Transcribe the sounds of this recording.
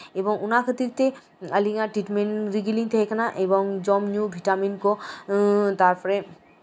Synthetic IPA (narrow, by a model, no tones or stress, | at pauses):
ebɔŋunakʰət̪it̪e | əliŋaʈɾiʈmeɳʈɾiɡiliŋt̪ʰekʰanaʔeboŋd͡ʑɔmnjubʱiʈaminko | t̪aɾpʰɔɾe